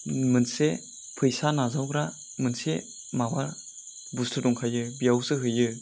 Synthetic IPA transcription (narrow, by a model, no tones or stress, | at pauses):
mɯnse | pʰɯjsanazawɡɾa | mɯnse | mawaɾ | bustʰɯdɔŋkʰajɯbijawsɯɦɯjɯ